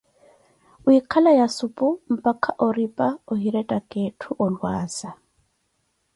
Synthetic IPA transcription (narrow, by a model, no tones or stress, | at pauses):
uikʰalajasupʼʊm̩pʼakʰʼaʔɔripʼaɔɦiɾɛtʼakʼetʰuʔɔlwaːsa